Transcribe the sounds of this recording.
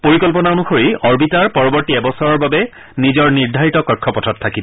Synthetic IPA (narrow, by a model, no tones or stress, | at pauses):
poɹikɔlp̬ɔnaonuxoɹiɔɹbitaɹpɔɹɔbɔɹtiɛbɔsɔɹɔɹbabɛ | nizɔɹniɹdʱaɹitɔkɔkʰːɔpɔtʰɔtʰːakib